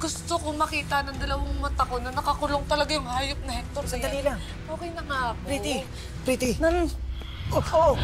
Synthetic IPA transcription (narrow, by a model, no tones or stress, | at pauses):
ɡ̥ʊst̪okomɐkiːt̪ɐnɐŋd̪ɐlɐwaŋmɐt̪ɐko̞nɐnɐkɐkʊloŋt̪ɐlɐɡajʊŋhaːjop̚nɐhɛk̚t̪oɾsɐjd̪ɐlilɐŋ | ʔoːkejlɐŋaʔɐkoit̪ɪ | pɾit̪ɪnɐn | ʔopʰo